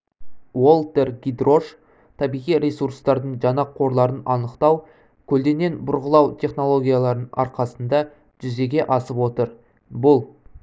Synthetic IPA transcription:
wo̞lˠt̪e̞rɡʲid̪ro̞ʃ | t̪ʰɑbijʁijɾʲesuɾst̪ɑɾd̪əɴʒɑnɑqʰːo̞ɾlˠɑɾənɑnəqt̪ɑw | kʲʰɵld̪e̞ne̞nbʊɾʁəlˠɑwt̪ʲʰe̞χno̞lˠo̞ɡʲijalˠɑɾənɑ̰ɾqɑsənd̪ɑ | ʒ̥ʏze̞ɡʲe̞ʔɑsəpwo̞t̪əɾ | bʊlˠ

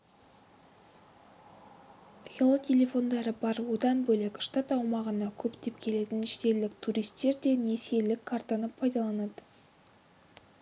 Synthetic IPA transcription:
jelˠət̪ʲʰe̞lʲe̞fo̞nd̪ɑɾəbɑɾwo̞d̪ɑnbɵlekʲʃt̪ɑt̪ɑwmɑʁənɑkʲʰɵpt̪e̞pkʲʰe̞le̞t̪ɪnɪʃt̪e̞lɪk̚t̪ʰuɾijst̪e̞ɾd̪e̞ne̞se̞lːɪkʰːaɾt̪ɑnəpʰɑjd̪ɑlˠɑnɑd̪̥ə

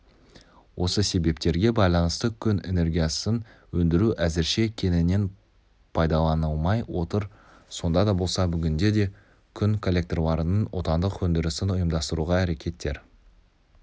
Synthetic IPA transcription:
wʔo̞səse̞be̞p̚t̪e̞ɾɡʲe̞bɑjlˠɑnəst̪əkʲʰʏne̞̰ne̞rɡʲijɑsən | wɵnd̪ɪɾuʔæzɪɾʃe̞kʲʰe̞nɪne̞n | pʰɑjd̪ɑlˠɑnəlˠmɑjwo̞t̪əɾ | so̞nd̪ɑd̪ɑbo̞lˠsɑbʏɡʲɪnd̪e̞d̪e̞ | kʲʰʏŋkʰo̞lʲːe̞k̚t̪rlˠɑɾənənwo̞̰t̪ɑnd̪əqwɵnd̪ɪɾɪsɪnʊjəmd̪ɑst̪əɾuʁɑæɾe̞kʲe̞t̪ːe̞̰ɾ

